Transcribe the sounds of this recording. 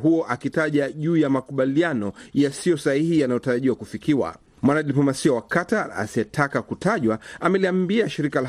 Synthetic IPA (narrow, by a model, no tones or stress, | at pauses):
ɦuɔʔakitaʄaʄuːjamakuɓalianɔjasijɔsahihijanajɔtaɾaʄiwakufikiwa̰ | mwanaɗiplɔmasiawakataa̰siɛtʰakakutʰaʄwaamɛliambiaʃiɾikala